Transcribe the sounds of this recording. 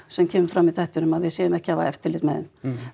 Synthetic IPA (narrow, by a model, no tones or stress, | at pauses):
sɛmcʰɛːmʏɾfɾamːiðθaht̪ʏnʏmaðvɪðsɛːðʏmɛhcɪava̰ɛft̪ɪlɪt̪mɛðɪ̰n